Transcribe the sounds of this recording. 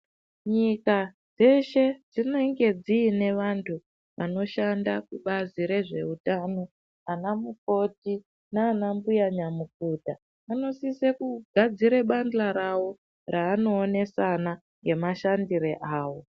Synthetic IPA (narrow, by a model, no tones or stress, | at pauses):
ɲika | d͡ze̞ʃe̞d͡zine̞ŋɡe̞d͡ziːne̞ʋantʰu | ʋano̞ʃandakuɓaziɾe̞ʐe̞̰utaːno̞ | anamuk̚o̞ti | naːnambujaɲamuk̚uːta | ano̞sisekuɡʱad͡ziɾeɓand͡ɮaɾawo̞ | raːno̞ːne̞sana | ŋɡe̞maʃandiɾeʔaːwo̞